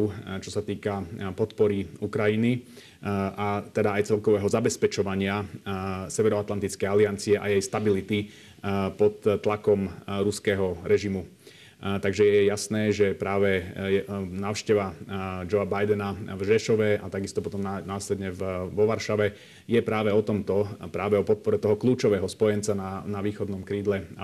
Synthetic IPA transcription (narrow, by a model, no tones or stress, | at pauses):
t͡ʃɔsat̪iːkapɔt̪pɔɾiukɾajini | at̪ɛd̪aːjt͡sɛlkɔʋɛːɦɔzabɛspɛt͡ʃɔʋaɲɪa | sɛʋɛɾɔat̪lant̪it͡skɛjaliant͡siɛʔa̰jɛjst̪abilit̪i | pɔt̪ːlakɔmɾuskɛːɦɔɾɛʒimu | t̪aɡʒɛjɛjasnɛːʒɛpɾaːʋɛjɛnaːʊʃcɛʋad͡ʒɔabajd̪ɛnavʒɛʃɔʋɛat̪aɡist̪ɔpɔt̪ɔmnanaːslɛd̪ɲɛvʋɔʋaɾʃaʋɛ | jɛpɾaːʋɛɔt̪ɔmt̪ɔpɾaːʋɛɔpɔt̪̚pɔɾɛt̪ɔɦɔkluːt͡ʃɔʋɛːɦɔspɔjɛnt͡sananaʋiːxɔd̪nɔmkɾiːd̪lɛ